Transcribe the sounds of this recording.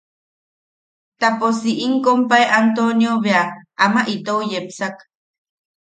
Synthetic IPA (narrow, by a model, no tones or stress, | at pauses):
t̪aposiʔiŋkompaeʔant̪onjoβeaʔamaʔit̪oujepsak